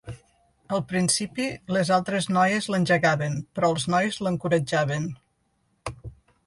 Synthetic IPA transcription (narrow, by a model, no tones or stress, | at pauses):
əlˠpɾinsipilezalˠt̪ɾeznɔjəzlənʲʒəɣaβənpɾɔəlˠznɔjzləŋkuɾəd͡ʒaβən